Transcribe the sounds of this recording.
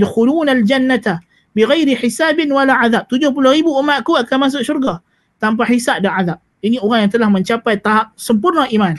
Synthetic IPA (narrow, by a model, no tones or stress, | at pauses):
dxuluːnald͡ʒanːat̪a | biɣajɾiħisaːbɪnwalaʕaðap̚t̪ud͡ʒʊhpulohɾibuʔumaʔkuakanmas̬ʊk̚surɡa | t̪amp̬aħisap̚danʕaðap̚ | inioɣaŋjaŋt̪əlahmə̃ɲt͡ʃapajt̪aɦap̚səmpʊrnəʔiman